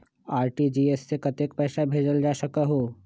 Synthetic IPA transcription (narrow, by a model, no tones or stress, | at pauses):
aːɾʈid͡ʒiːesːekɐt̪ek̚pɛːʃabʱeːd͡ʒəld͡ʒaːʃɐkaɦoː